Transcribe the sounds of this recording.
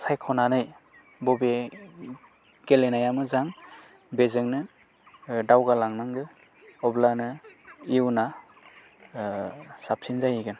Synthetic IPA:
sajkʰɔnanɯj | bɔbe | ɡ̥elenajamɯzaŋ | bezɯŋnɯ | dawɡalaŋnaŋɡɯ | ɔblanɯiwna | sap̚sinzajiɡɯn

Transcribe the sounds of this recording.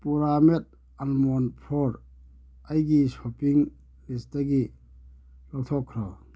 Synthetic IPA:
puɾamet̚ | almɔnpʰɔɾ | ajɡisɔpiŋ | listaɡi | lɔk̚tʰɔkʰːɾɔ

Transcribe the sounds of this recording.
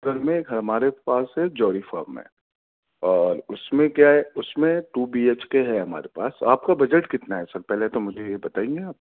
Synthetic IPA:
ɡɐɾmẽɡʱɐɐmaːɾepaːsɦɛd͡ʒɔːɾifɔːɾmːḛ̃ | ɔːɾʊsmẽkjaɦɛʊsmẽʈuːbieːt͡ʃkeɦɛɦɐma̰ːɾepa̰ːsa̰ːp̚kabɐd͡ʒəʈkɪt̪naɦɛsɐɾpɛɦlet̪omʊd͡ʒʱejebɐt̪aːẽːŋɡeaːp̚

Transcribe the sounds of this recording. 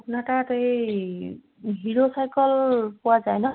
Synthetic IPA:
pʰunatatej | ɦiɹosajkɔlpʊwazajnɔ

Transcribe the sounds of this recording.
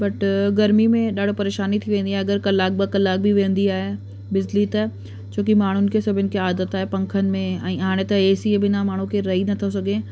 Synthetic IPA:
bɐʈɡɐɾmimẽɗaːɽ̤opɐɾeːʃaːnit̪ʰiʋẽːnd̪iaːɦɐɡəɾkɐlːaːk̚bɐkɐlːaːk̚bʱiʋẽːnd̪iaːɦe | bɪzlit̪ɐ | t͡ɕʰoːkimaːɳ̤ʊnɪ̆kesɐbʱɪnɪ̆kʰeaːd̪ət̪aːɦepɐ̃ŋkʰənɪ̆mẽɛ̃ːɦaːɽ̃et̪ɐeːsiebɪnamaːɳ̤ũkeɾɐɦinɐt̪ʰɐsɐɡʱẽ

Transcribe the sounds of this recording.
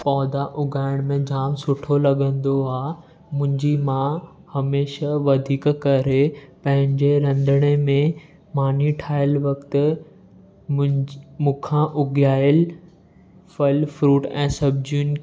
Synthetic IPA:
pɔːd̪aʔʊɡaːɪɽ̃mẽd͡ʑaːmsʊʈʰolɐɠə̃nd̪oaː | mʊ̃ɦɪ̃ɲd͡ʑimã | hɐmeːʃaʋɐd̪ʱiːkkɐɾepɐ̃ɦɪ̃ɲd͡ʑeɾɐ̃nd̪ʱəɽ̃emẽ | maːniʈʰaːɪəlʋɐkt̪ | mʊ̃kʰãʔʊɡjaːɪəl | fɐlfɾuːʈɛ̰̃ːsɐb̚d͡ʑun

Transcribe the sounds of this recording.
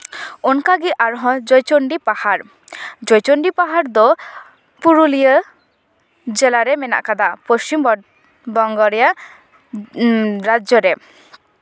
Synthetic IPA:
onkaɡiʔaɾɦɔ̃d͡ʒɔjt͡ʃoɳɖipahaɾ | d͡ʒɔjt͡ʃoɳɖipaɦaɾd̪ɔ | puɾulijə | d͡ʒelaɾɛmɛna̰ʔkad̪apost͡ʃim | bɔŋɡɔɾija | ɾad͡ʒjɔɾɛ

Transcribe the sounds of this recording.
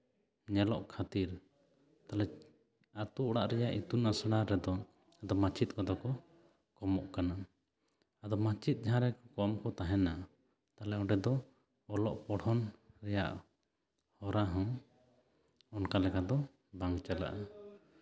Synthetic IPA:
ɲɛlɔʔkʰat̪iɾ | t̪alɛ | at̪uʔɔɽaʔɾɛjaʔit̪unasɽaɾɛd̪ɔ | ad̪ɔmãt͡ʃit̪̚kɔd̪ɔkɔ | kɔmɔʔkana | ad̪ɔmãt͡ʃit̪̚ˀd͡ʒaɦãɾɛkɔkɔmkɔt̪aɦɛna | t̪alɛɔʈɛd̪ɔ | ɔlɔʔpɔɽɔnɾɛja̰ʔ | hɔɾaɦɔ̃ | ɔnkalɛkad̪ɔ | baŋt͡ʃɛla̰ʔa

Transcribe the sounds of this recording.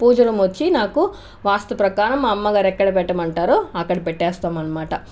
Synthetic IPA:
puːd͡ʒɐlɐmʋɐt͡ʃːinaːku | ʋaːst̪ɐpɾɐkaːɾɐmɐmːɐɡaːɾɛkːɐɽɐpɛʈːɐmɐɳʈaːɾoɐkːɐɽɐpɛʈːɛːst̪aːmɐnːɐmaːʈɐ

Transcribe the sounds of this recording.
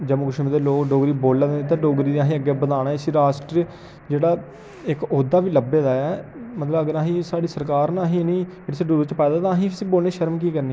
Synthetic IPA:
d͡ʒəmũːkʊʃẽd̪eːloːkɖoːɡɾiːboːlːɛːd̪eːet̪ãːɖoːɡɾiːd̪iːãːɦĩːəɡeːbəd̪aːɽaːsiːɾaːsʈɾi | d͡ʒeːɽaː | ɪkoːd̪aːʋiːləbeːd̪aːɛːmət̪ləbəɡəɾãːɦĩːsaːɖiːsəɾkaːɾnaːɦĩːnĩːeːɽeseɖuːɾt͡ʃpɛːd̪aːt̪ãːɦĩːpʰsiːboːlneːʃəɾmkiːkəɾniː

